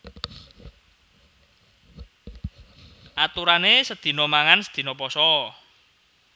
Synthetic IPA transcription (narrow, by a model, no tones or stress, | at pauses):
ʔat̪uɾanesəd̪̥i̤nɔmaŋansə̥d̪̥i̤nɔpɔsɔ